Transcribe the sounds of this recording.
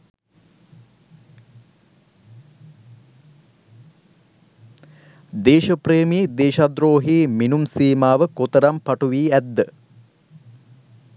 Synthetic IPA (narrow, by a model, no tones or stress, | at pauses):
d̪eːʃəpreːmiːd̪eːʃad̪ɾoːɦiːminumsiːmaːʋəkot̪əɾampaʈuʋiːæd̪ːə